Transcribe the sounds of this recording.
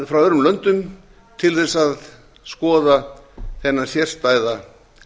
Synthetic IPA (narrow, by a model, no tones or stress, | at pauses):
fɾawœɾʏmlœnt̪ʏm | t̪ʰɪlθɛsað | skɔːðaθɛnːasjɛr̥st̪aːjða